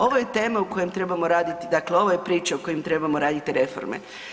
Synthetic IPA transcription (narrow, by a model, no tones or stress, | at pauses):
o̞ʋoje̞t̪e̞ːmauko̞jemt̪ɾe̞bamo̞ɾaːd̪it̪id̪akleo̞ʋojepɾiːt͡ʃaoko̞jimt̪ɾe̞bamo̞ɾaːd̪it̪iɾe̞fo̞̰ɾmḛ